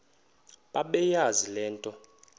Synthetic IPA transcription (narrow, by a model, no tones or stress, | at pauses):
ɓaɓɛjazilɛːntʼɔ